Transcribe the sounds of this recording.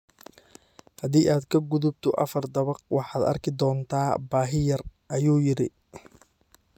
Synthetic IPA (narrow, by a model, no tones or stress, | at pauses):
hɐðiːʔaːd̪kʰɐɡʊðʊb̚t̪ʰʊʔɐfɐrd̪ɐβɐqwɑħɑːd̪ɐ̰rkʰɪd̪ɔːnt̪ʰaːbaːɦɪjɐrʔɐjuːjɪɾɪ